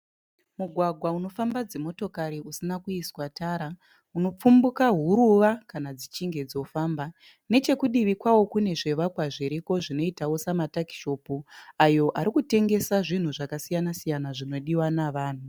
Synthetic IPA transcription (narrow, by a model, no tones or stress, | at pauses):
muɡʱwaɡʱwauno̞fambad͡zemo̞to̞kaɾiusinakuiswataːɾa | uno̞p͡fumbukaɦuɾuʋakanad͡zit͡ʃiŋɡe̞d͡zo̞faːmba | ne̞t͡ʃe̞kuɗiʋikwawo̞kune̞ʐe̞ʋakwaʐeɾiko̞ʐino̞itawo̞samataki̥ʃo̞puajo̞ʔaɾikute̞ŋɡe̞saʐin̤uʐakasijanasijanaʐino̞ɗiwanaʋaːn̤u